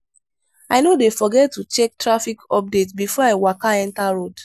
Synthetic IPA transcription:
aɪnodefɔɡɛtːut͡ʃɛk̚tɹafikɔp̚detbifɔaɪwakaɛ̃ntaɹod

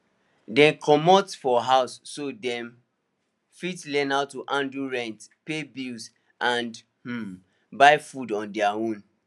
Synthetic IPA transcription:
dɛ̃mkʰɔmɔtfɔɦaʊsːodɛ̃m | fitlɛ̃naʊtːuʔãnduɹɛ̃ntpebils | ʔãnd | h̩ | baɪfudɔ̃ndɛaõn

